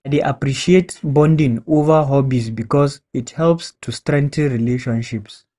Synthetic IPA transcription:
deʔapɾiʃietbɔ̃ndĩŋovəɦɔbisbikɔsithɛlpstʰustɾɛ̃ŋtʰə̃nɹileʃɔ̃nʃips

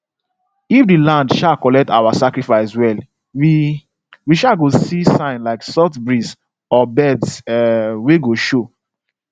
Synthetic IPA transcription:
ifdilãndʃakɔlɛk̚ta̰wasakɹifaɪswɛl | wiʃaɡosisãɪ̃nlaɪksɔtbɹis | ɔbɛdsweɡoʃo

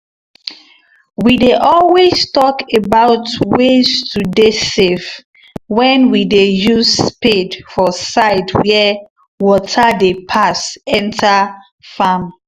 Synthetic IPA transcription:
wideʔɔlwestɔkebaʊtwestʰudesev | wɛ̃nwidejuzspedfɔsaɪdwɛ | wɔtʰadepʰasɛ̃ntʰa | fam

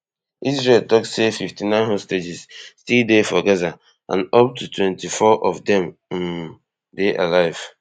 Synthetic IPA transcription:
ʔizɹeltɔksefiftinãɪ̃nɦosted͡ʒizstildefɔɡɛza | ʔã̰nɔp̚tutwɛ̃ntifɔʔɔvdɛ̃m̩ | deʔalaɪv̥

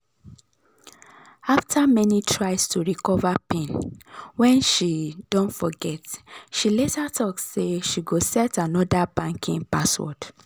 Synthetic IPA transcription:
aftʰamɛnitʰɹaɪstʰuɹikɔvapẽnwɛ̃nʃidɔ̃ntfɔɡɛtʃiletatʰɔksseʃiɡosɛtanɔdabãŋkʰĩŋpaswɔ̰d

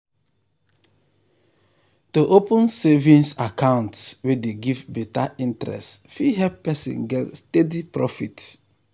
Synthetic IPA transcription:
toʔopũnsevĩnsakãʊ̃ntswedeɡivbetaĩntɾɛ̰stfiɦɛppɛsḭ̃nɡɛtstedipɹɔfit

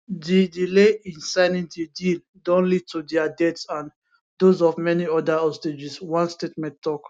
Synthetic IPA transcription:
didileĩnsaɪnĩndidil | dɔ̃nlid̚tudɛadɛtsãn | dozɔvmɛniɔdaɔsted͡ʒiswãnstetmɛ̃ntːɔk

